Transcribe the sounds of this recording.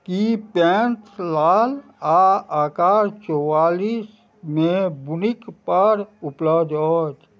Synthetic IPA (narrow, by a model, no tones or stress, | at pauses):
kipɛ̃ːnt̪ʰlaːl | aaːkaːɾt͡ʃɔwaːliːs | mẽbʊnɪkpəɾʊpləbd̪od͡ʒ